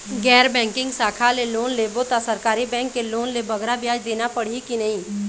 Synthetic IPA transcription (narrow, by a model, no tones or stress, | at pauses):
ɡɛːɾbɛ̃ːŋkɪ̃ŋɡsaːkʰaleloːnlebot̪asɐɾkaːɾibɛ̃ːŋkːeloːnlebɐɡɾabjaːd͡ʒd̪eːnapɐɽ̤ikinɐɦĩː